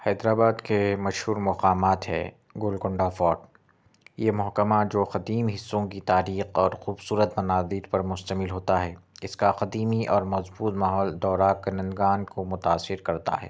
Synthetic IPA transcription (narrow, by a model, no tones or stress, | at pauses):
hɛːd̪ɾaːbaːd̪kemɐʃhuːɾmɐqaːmaːt̪ɦɛ̰ː | ɡʊlɡʊ̃ɳɖafɔːʈ̚ | jemʊɦkəmad͡ʒoːxɐd̪iːmɦɪsːõkit̪aːɾiːxɔːɾxuːbsuːɾət̪mɐnaːzɪːɾpɐɾmʊst̪əmɪlɦoːt̪aɦɛːɪskaqɐd̪iːmiʔɔːɾmɐzbuːt̪maːɦɔːld̪ɔːɾakɐnə̃nd̪ɡaːnkomʊt̪aːsːɪɾkɐɾt̪a̰ɦɛ̰ː